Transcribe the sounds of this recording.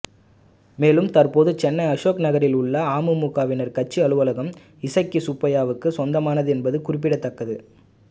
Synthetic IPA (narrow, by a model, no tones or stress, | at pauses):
meːlɯmt̪ɐrpoːðɯt͡ʃɛnːɐɪɐʂoːknɐɣɐɾɪlʊɭːɐaːmɯmukaːʋɪnɐɾkɐt͡ʃːɯɐɭɯʋɐlɐɣɐm | ɪsɐɪkːisʊpːɐjaːʋɯkːɯsɔnd̪ɐmaːnɐðɯɛnbɐðɯkʊrɪp̬ːɪɽɐt̪ːɐkːɐðɯ